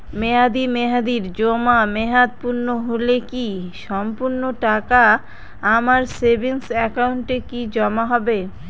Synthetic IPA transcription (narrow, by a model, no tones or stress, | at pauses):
meɦad̪imeɦad̪iɾd͡ʑomameɦad̪̚puɾnoɦolekiʃɔmpuɾnoʈaka | amaɾsebiŋsɛkauɳʈekid͡ʑɔmaɦɔbe